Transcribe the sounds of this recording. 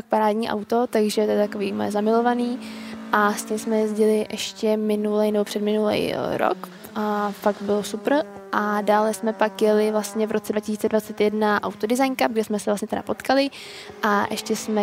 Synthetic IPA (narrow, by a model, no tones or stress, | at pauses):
ak̚paɾaːdɲiːʔa̰wt̪o̞t̪aɡʒɛt̪ɛɛt̪ako̞viːmo̰jɛ̰zamɪlo̞vaniːʔascimsmɛjɛzɟɪlɪʔɛʃcɛmɪnulɛjnɛbo̞pr̝̥ɛdmɪnulɛ̰jɾo̰k | ʔafak̚t̪̚bɪlosupr̩ʔadaːlɛsmɛpakjɛlɪvlast̪ɲɛvɾʔot͡sɛdvacɪsiːt͡sɛdvat͡sɛt̪jɛdnaʔa̰wt̪odɪzajnkab̚ɡdɛsmɛsɛvlast̪ɲɛt̪ɛda̰po̞t̪kalɪ | ʔaʔɛʃcɛsmɛ